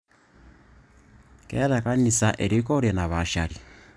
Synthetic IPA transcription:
keðekanisaʔeɾikoɾjenaβaʃaɾi

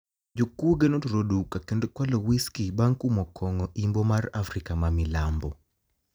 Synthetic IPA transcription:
d͡ʒokuoɡenotoɾodukakendokwalowiskibaŋkumɔkʰɔŋɔʔimbomarafɾikamamɪlambɔ

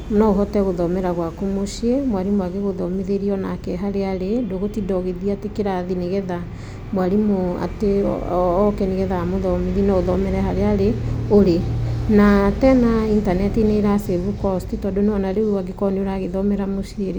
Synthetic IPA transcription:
nɔoɦɔtɛɣoðɔmɛɾaɣwakomoʃiemwaɾimwaɣeɣoðɔmeðeɾiɔnakɛɦaɾeaɾedoɣotidɔɣeðiatekeɾaðiniɣɛða | mwaɾimoa̰tḛɔkɛniɣɛðamoðɔmeðinɔoðɔmɛɾɛɦaɾeaɾeoɾenatɛnaintanɛtineɾaseβukɔstitɔdonɔnaɾeuaɡekɔneoɾaɣeðɔmɛɾamoʃieɾe

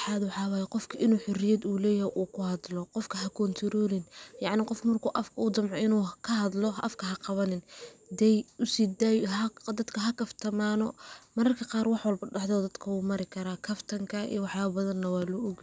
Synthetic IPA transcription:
ħɑːd̪wɑħɑːwɑːjɛqɔfkʰɐʔɪnuːħʊrɪjɐd̪uːlɛːjhɛjʔuːkʰʊhɑd̪lɔqɔfkʰɐɦɐkʰɔnt̪ʰɪɾɔːlɪnjɑʕnɪqɔfkmɐrkʰuːʔɐfkʰɐuːd͡ʒɐmʕɔʔɪnuːkʰɐɦɐd̪lɔʔɐ̰fkʰɐɦɐqɑβɐnɪnd̪ɛjʊsid̪aːjɦɐd̪ɐd̪kʰɐɦɐkɐft̪ʰɐmaːnɔ̰mɐɾɐrkʰɐqɑːrwɑħwɐlbɐɖɑħd̪ɔːd̪ɐd̪kʰɐwuːmɐɾɪkʰɐɾaːkʰɐft̪ʰɐŋkʰɐḭːwɑħjaːβɐbɐðɐnːɐwaːlɔɔɡ

